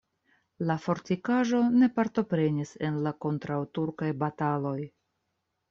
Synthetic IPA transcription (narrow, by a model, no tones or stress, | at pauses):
lafo̞ɾtikaʒo̞ne̞paɾto̞pɾe̞nise̞nlako̞ntɾawtuɾkajbatalo̞j